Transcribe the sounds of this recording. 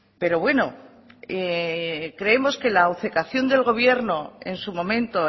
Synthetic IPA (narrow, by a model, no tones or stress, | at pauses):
pe̞ɾo̞βwe̞no̞ | e | kɾe̞emo̞ske̞laːwθe̞kaθjo̞nd̪e̞lɣ̞o̞β̞je̞ɾno̞e̞nsumõ̞mẽ̞nt̪o̞